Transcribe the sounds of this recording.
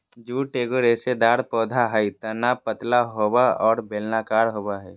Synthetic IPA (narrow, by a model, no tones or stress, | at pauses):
d͡ʒuːʈeːɡoɾeːsed̪aːɽpɔːd̪ʱaɦəit̪ənapət̪laɦobaɔːɾbʱeːlnakaːɾɦoːbaɦɛ